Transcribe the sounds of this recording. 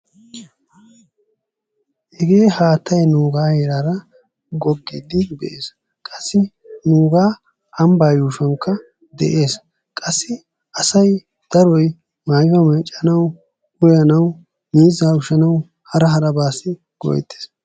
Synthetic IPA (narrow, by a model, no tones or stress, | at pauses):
ʔɛɡe̞ːhaːt̪ʰːɐjnuːɡaːheːɾaːɾɐ | ɡɔɡːɪd̪ɪbɛ̰ʔeːs | kʼɐ̥sːɪ | nuːɡaː | ʔɐmbaːjuːʃɐŋkːɐ | d̪ɛ̰ʔe̞ːs | kʼɐsːɪ | ʔɐsɐj | d̪̥ɐɾɔj | maːjfɐmɐt͡ʃʼːɐnɐw | ʊjɐnɐw | miːzaːʊʃɐnɐw | hɐɾɐɦɐɾɐbaːsɪ | ɡ̥ɔ̰jɛ̰t̪ːe̥ːs